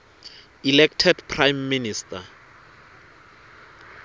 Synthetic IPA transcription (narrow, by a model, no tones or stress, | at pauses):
ilɛktʰɛdpʰrajmːinistʰʼa